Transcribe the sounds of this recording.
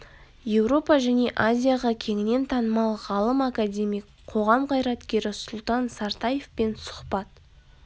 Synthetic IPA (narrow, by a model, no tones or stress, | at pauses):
je̞wɾo̞pɑʒæne̞ʔazʲijaʁɑkʲʰe̞ŋɪne̞nt̪ʰɑnəmɑlˠʁɑlˠəmakadʲe̞mijk | qʰo̞ʁɑmqʰɑjɾɑt̪kʲe̞ɾɪsʊlˠt̪ɑnsɑɾt̪ɑje̞fpe̞nsʊ̥χpɑt̪